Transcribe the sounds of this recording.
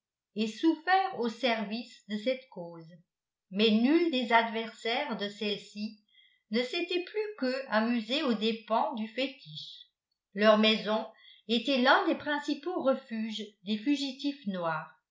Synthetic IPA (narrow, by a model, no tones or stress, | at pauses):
esufɛːʁosɛʁvisd̪əsɛt̪koːz | mɛnyld̪ezad̪vɛʁsɛːʁd̪əsɛlsi | nəset̪ɛplykəamyzeod̪epɑ̃d̪yfet̪iʃ | lœʁmɛzɔ̃et̪ɛlɛ̃d̪epχɛ̃sipoʁəfyːʒd̪efyʒit̪ifnwaːʁ